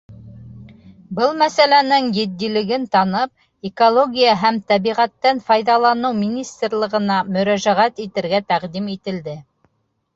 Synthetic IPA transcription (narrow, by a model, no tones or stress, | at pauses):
bɤlˠmæsælænɘŋjɘ̆t̪ːilɘ̆ɡɘnt̪ɑnɤp̚ | ekolˠoɡʲijaɦæmt̪æβiʁæt̪ːænfɑjðɑlˠɑnɤwmʲinʲist̪rlˠɤ̆ʁɤ̆nɑmɵ̆ɾæʒæʁæt̪it̪ɘ̆ɾɡæt̪æqd̪imit̪ɘ̆ld̪ɘ